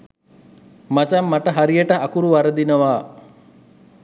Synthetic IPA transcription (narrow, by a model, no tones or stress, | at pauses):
mat͡ʃamːaʈəɦaɾijəʈəʔakuɾuʋaɾəd̪inəʋaː